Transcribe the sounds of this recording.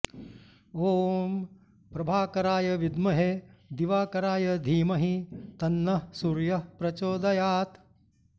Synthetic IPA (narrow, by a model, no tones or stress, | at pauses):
oːm | pɾɐbʱaːkɐɾaːjɐʋid̪mɐɦed̪iʋaːkɐɾaːjɐd̪ʱiːmɐɦit̪ɐnːɐsuɾjɐpɾɐt͡ʃoːd̪ɐjaːt̪